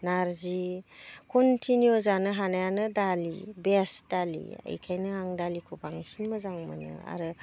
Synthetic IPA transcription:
naɾzikʰɔntʰinjozanɯɦanajanɯdalibesd̥alḭa̰jkʰajnɯaŋdalikʰubaŋsinmɯzaŋmɯnɯ̰a̰ɾɯ

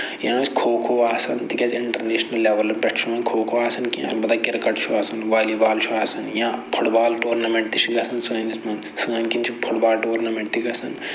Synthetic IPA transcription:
jãːsʲkʰoːkʰoːaːsɐnt̪ikʲɐt͡ʃɪɳʈɐɾneːʃnɐlːeʋɐlɐpʲɐʈʰt͡ʃʰuɐ̃nkʰoːkʰoːaːsɐnkijã̰bɐd̪akiɾkɐʈt͡ʃʰuaːsɐnʋaːliʋaːlt͡ʃʰuaːsɐnjãːpʰuʈbaːlʈoːɾnɐmẽɳʈt̪it͡ʃʰiɡɐsɐnsɐːɐnismɐn | sɨːɐnkint͡ʃʰipʰuʈbaːlʈoːɾnɐmẽɳʈt̪iɡɐsɐn

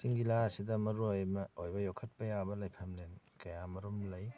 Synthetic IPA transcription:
siŋɡilasidɐmɐɾuojmɐojbɐjokʰɐt̚pɐjabɐlɐjpʰɐmlen | kɐjamɐɾumlɐj

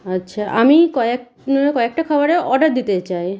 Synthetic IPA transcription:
atːɕʰaʔamikɔek | noekɔek̚ʈakʰɔboɾeʔɔɖaɾd̪it̪et͡ɕaj

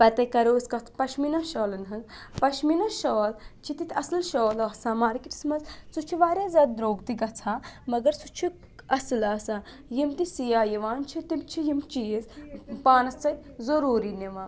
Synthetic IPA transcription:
pɐt̪ɐjkɐɾoːskɐt͡s̪ʰpɐʃminɐʃɔːlɐnɦɐnd͡zpɐʃminɐʃɔːlt͡ʃʰit̪it̪ʰʲɐslʃoːlɐɦsaːmaːɾkiʈi̥smɐzsut͡ʃʰiʋaːɾʲjaːzʲaːd̪̚d̪ɾoːɡt̪iɡɐt͡sʰaːmɐɡɐɾsut͡ʃʰi | ɐslaːsaː | jimt̪isijaːjiʋaːnt͡ʃʰit̪imt͡ʃʰijimt͡ʃijespaːnɐst͡sɐjt̪ʲ | zɐɾuːɾineʋãː

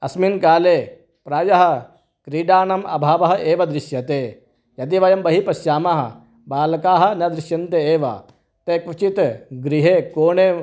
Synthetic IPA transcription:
ɐsminkaːleː | pɾaːjɐɦɐ̆ | kɾiːɖaːnɐmʔɐ̰bʱaːʋɐɦɐʔeːʋɐd̪ɾɪʃjɐt̪eː | jɐt̪iʋɐjɐmbɐɦipɐsjaːmɐɦɐ̰̆ | baːlɐkaːɦɐ̆nɐd̪ɾɪʃjɐnt̪eeːʋɐ̰ | t̪eːkʋɐt͡ʃit̪ɡɾiɦeːkoːɳeː

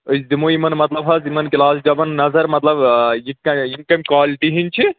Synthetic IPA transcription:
əsd̪imoimɐnmɐt̪lɐbɦɐzimɐnkilaːsd͡ʒɐbɐnːɐzɐɾmɐt̪lɐbjikɐjimkɐmʲkwaːliʈiɦint͡ʃʰi

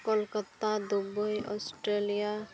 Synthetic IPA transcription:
kɔlkat̪ad̪ubɔjɔ̰sʈɾelija

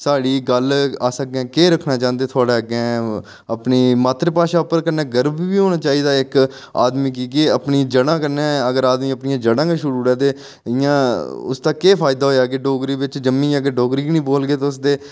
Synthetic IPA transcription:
saːɽiːɡəlaːsək̚ːɛ̃ːkeːɾəkʰnaːt͡ʃãːnd̪eːt̪ʰʊaːɽeːəɡɛ̃ː | əpniːmaːt̪ɾəpaːʃaːʊpəɾkəɾnɛ̃ːɡəɾbiːʋiːɦoːnaːt͡ʃaːiːd̪aːɪk | a̰ːd̪miːk̬iːɡeːəpniːd͡ʒəɽãːkəɾnẽːəɡəɾaːd̪mĩːəpnɪjãːd͡ʒəɽãːkeːʃʊɾuːɾɛːt̪eː | ɪjãːʊ̰st̪aːkeːpʰaːjd̪aːɦoːjaːɡeːɖoːɡɾiːʋɪt͡ʃd͡ʒəmːĩːaːɡeːɖoːɡɾiːinĩːboːlɡeːt̪eʊs̬d̪eː

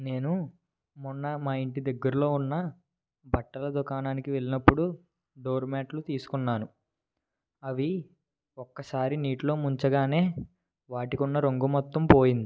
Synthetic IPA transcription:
ne̞ːnu | munːɐmaːiɳʈid̪ɐɡːɐɾulo̞ːunːɐ | bʱɐʈːɐlɐd̪ukaːnaːnikiʋe̞linɐpːuɽu | ɖoːɾmaːʈlut̪iːsu̥kunːaːnu | ɐʋi | ɔkːɐsaːɾiniːʈlo̞ːmuɲt͡ʃɐɡaːne̞ː | ʋaːʈikunːɐɾoŋɡumɔt̪ːɐmpo̞ːjind̪i

